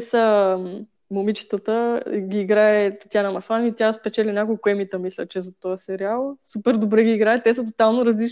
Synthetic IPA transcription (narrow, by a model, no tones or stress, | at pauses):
ɛsə | momit͡ʃi̥t̪ət̪əɡʲiːɡɾaɛt̪ɐ̥t̪ʲanɐmɐsˠanit̪jaspɛt͡ʃɛlʲinʲakolˠkʊɛmit̪əmislʲə̰t͡ʃɛzɐt̪ɔjəsɛɾialˠsupɛɾd̪obɾɛɡiːɡɾaɛt̪ːɛsət̪ot̪alˠnoɾɐzlit͡ʃ